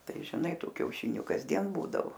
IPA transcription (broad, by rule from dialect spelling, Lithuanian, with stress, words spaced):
ˈtɐɪ ʒʲɪˈnɐɪ ˈtuː kʲɛʊˈʃʲɪnʲʊ kɐzʲˈdʲiɛn ˈbuːdɐʋoː